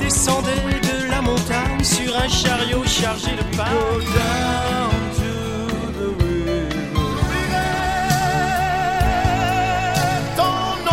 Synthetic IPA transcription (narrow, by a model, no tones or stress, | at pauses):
d̪esɑ̃d̪ɛd̪əlamɔ̃t̪aɲsyʁɛ̃ʃaʁjoʃaʁʒed̪əpaɡod̪a | nt̪u | ðəwi | d̪ɑ̃ | n